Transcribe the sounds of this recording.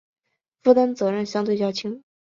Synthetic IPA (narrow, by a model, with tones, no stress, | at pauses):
fu˥t̪a˥nt͡sɤ˧˥ɻə˥˩nɕjɑ˥ŋt̪we˥˩ɪt͡ɕjɑ˥˩t͡ɕʰi˥ŋ